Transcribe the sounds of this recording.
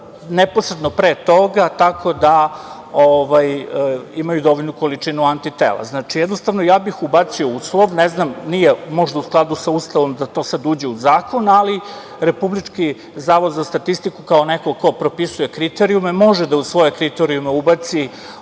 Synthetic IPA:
nepo̞sɾed̪nopɾet̪o̞ɡat̪akʰo̞d̪a | oʋajimajud̪o̞ʋoʎnuko̞lit͡ʂinuant̪it̪ḛːlˠa̰znaːt͡ʃijɛd̪nost̪aʋnojaːbixubat̪siouslˠoʋneznamnijemo̞ʒd̪ausklˠad̪usaust̪aʋo̞md̪at̪o̞ːsad̪uːd͡ʑeuzaːko̞nali | ɾe̞publit͡ʂki | zaːʋo̞d̪zast̪at̪ist̪ikukao̞nekoko̞pɾo̞pisuje̞kɾit̪eɾiumemo̞ʒed̪ausʋo̞jekɾit̪eɾiumeubat̪si

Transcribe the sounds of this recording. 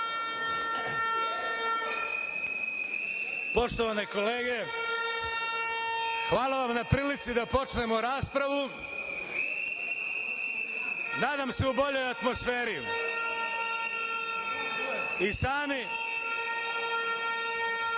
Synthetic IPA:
po̞ʃt̪oʋanekoleːɡe̞ | xʋaːlˠaʋamnapɾiːlit̪sid̪apo̞t͡ʃne̞moɾaːspɾaʋu | naːd̪amse̞ubo̞ʎojat̪mo̞sfeːɾi | isaːmi

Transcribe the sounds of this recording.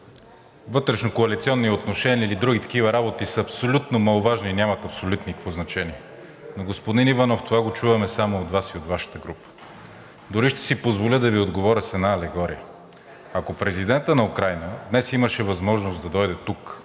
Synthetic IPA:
vɤt̪ɾɛʃnokoɐlit̪siɔnːiot̪noʃɛnʲiəilid̪ɾuɡit̪ɐ̥kivɐɾabot̪isəɐpsolʲut̪nomɐlˠovaʒniːnʲamɐt̪ɐpsolʲut̪nikfoznɐt͡ʃɛniɛ | noɡospod̪inivanɔft̪ovaɡot͡ʃuvɐmɛsamood̪vasiod̪vaʃə̥t̪əɡɾupə̥ | d̪ʊɾiʃt̪ɛ̥sipozvolʲəd̪ɐviod̪ɡovɔɾʲəsɛd̪naːlɛɡɔɾḭjə | ɐkopɾɛzid̪ɛnt̪ənɐukɾajnəd̪nɛsiməʃɛvɐzmɔʒnosd̪ɐd̪ɔjd̪ɛt̪uk

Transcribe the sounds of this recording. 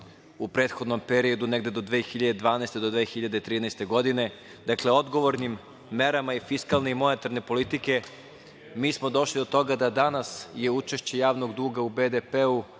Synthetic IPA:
upɾeːt̪xo̞d̪no̞mpeɾio̞d̪uneɡd̪e̞d̪o̞d̪ʋeːxiʎad̪ed̪ʋaːnɛjst̪e̞d̪od̪ʋeːxiʎad̪eit̪ɾiːnɛjst̪e̞ɡo̞d̪ine̞ | d̪akleo̞d̪ɡo̞ʋo̞ɾnimː | e̞ɾamaifiskalˠneimo̞ne̞t̪aɾne̞po̞lit̪ike̞ | miːsmod̪o̞ʃlid̪ot̪o̞ɡad̪ad̪anasje̞ut͡ʃeʃt͡ɕe̞jaːʋnoɡd̪uːɡaubed̪epeu

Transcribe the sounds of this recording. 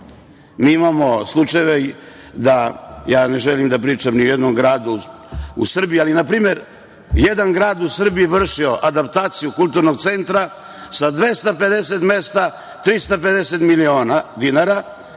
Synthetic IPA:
miːimamo̞slˠut͡ʂajeʋe | d̪ajaːne̞ʒelimd̪apɾiːt͡ʂamniojed̪nomɡɾaːd̪u | ṵsr̩bijialinapɾiːme̞ɾ | jed̪anɡɾaːd̪usr̩biiʋr̩ʂio̞ʔad̪apt̪aːt̪sijukulˠt̪uɾnoɡt̪sent̪ɾa | sad̪ʋe̞st̪ape̞d̪eset̪mest̪a | t̪ɾist̪ape̞d̪eset̪milioːnad̪inaɾa

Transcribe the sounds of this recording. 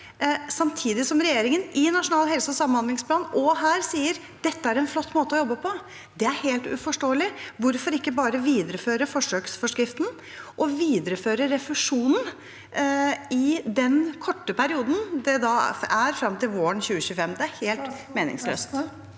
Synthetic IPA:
sɑmt̪ʰiːd̪ɪsɔmɾɛjeːɾɪŋənɪnɑʂʊnɑːlhɛlsəɔsɑmːənhɑnd̪lɪŋspʰlɑːnʔɔɦæːɾsiːəɾ | d̪̥ɛt̪ːəæɾɛnflɔt̪ːmoːt̪əɔjɔbːəpʰɔ | d̪ɛæɾheːlt̪ʉ̰fɔʂʈoːəlɪʋʊɾfɔɾɪkːəbɑːɾəʋiːd̪əɾəføːɾəfɔʂøːksfɔʂkɾɪft̪n̩ | ʔɔʋiːd̪əɾəføːɾəɾɛfʉʂuːnən̩ | ɪd̪ɛnkʰɔʈːəpʰæɾɪuːd̪n̩d̪ɛd̪ɑæɾfɾɑmt̪ɪlʋoːəɳçʉːəɕʉːfɛmd̪ɛæɾheːlt̪meːnɪ̰ŋslø̰ːst̪

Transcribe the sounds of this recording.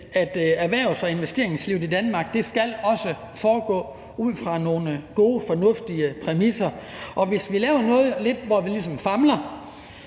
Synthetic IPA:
æd̥æɐʋæɐ̰ʊsɒe̝nʋesd̥e̝ɐ̰eŋsliʊid̥ænmɑ̈ːɡ̥̚d̥e̝sɡ̥ælɒ̽sə | fɒːɡ̥ɔ̰̽ː | uð̞̰ˠfʁɑ̈no̝ːnəɡ̥o̝ːəfɒ̽nɔ̽fd̥iəpʰʁɛmisɐ | ʔɒ̽ʋe̝sʋilɛːʊɐnɔ̽ːð̩ˠle̝d̥ʋɒʋilisɒ̽mfɑ̈mlɐ

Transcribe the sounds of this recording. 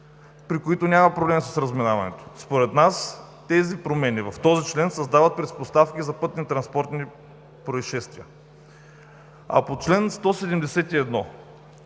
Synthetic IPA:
pɾikoit̪onʲamɐpɾoblɛmisəsɾəzminavɐnɛ̰t̪o̥spoɾɛt̪nas | t̪ɛzipɾomɛnivɐft̪ɔzit͡ʃlɛnsɐzd̪avət̪̚pɾɛspost̪afkizɐpɤt̪nit̪ɾɐnspɔɾt̪ni | pɾoisʃɛst̪viə | ɐ̰pot͡ʃlɛnst̪ɔsɛd̪ɛmd̪ɛsɛt̪iɛd̪nɔ

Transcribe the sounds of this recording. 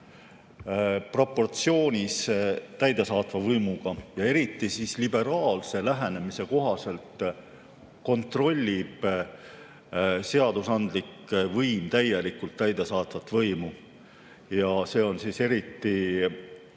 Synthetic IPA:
pro̞pːo̞rt̪sio̞ːnʲist̪æjd̪e̞sɑːt̪vɑvɤjmuɡ̥ɑjɑe̞ɾit̪ˑːisislibe̞ɾɑːlse̞læɦenemise̞ko̞ɦɑse̞lt̪ | ko̞nt̪ro̞lʲːib̥ | se̞ɑd̪̥usɑnd̪̥likː | vɤjmt̪æje̞likːult̪ːæjd̪̥e̞sɑːt̪vɑt̪ːvɤjmu | jɑse̞ːo̞nsise̞ɾit̪ːi

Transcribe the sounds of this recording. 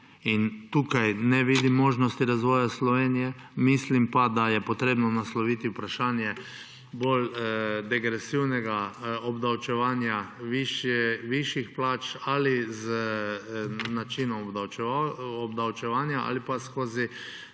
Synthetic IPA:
int̪uːkajnɛʋid̪imːoːʒnɔst̪iɾazʋɔːjaslɔʋeːnijɛ | mislimpad̪ajɛpɔt̪ɾeːbnɔnaslɔʋit̪iwpɾaʃaːnjɛ | bold̪ɛɡɾɛsiwnɛɡaɔbd̪awt͡ʃɛʋaːnjaiʃʋiʃixplaːt͡ʃaliz | nat͡ʃinɔmaw | ɔbd̪awt͡ʃɛʋaːnjaʔa̰lipaskoːzi

